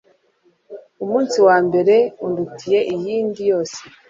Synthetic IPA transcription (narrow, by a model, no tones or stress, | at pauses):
umuːnsiwaːmbe̞ɾe̞undutʰije̞ʔijiːndijo̞ːse